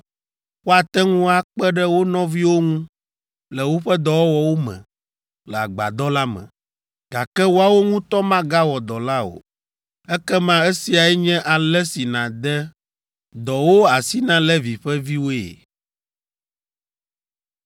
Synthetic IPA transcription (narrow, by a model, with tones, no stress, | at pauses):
wo˦a˨t̪ɛ˦ŋũ˦a˦k͡pɛ˦ɖɛ˦wo˦nɔ̃˦vi˦wo˦ŋũ˦ | lɛ˨wo˦ɸɛ˦d̪ɔ˨wɔ˦wɔ˨wo˦mɛ̰̃˨ | lɛ˨a˨ɡ͡ba̰˨d̪ɔ˦la˦mɛ̰̃˨ | ɡ̥a˨kɛ˦wo˦a˦˨wo˦ŋũ˦t̪ɔ˦mã˦ɡa˦wɔ˨d̪ɔ˨la˦o̰˨ | ɛ˦kɛ˦mã˦e˦si˨a˨ɛ˦ɲɛ̃˦ʔa˨lɛ˦si˨nã˨d̪ɛ˦ | d̪ɔ˨wo˦a˨si˦nã˦lɛ˦vi˨ɸɛ˦vi˦wo˦ḛ˨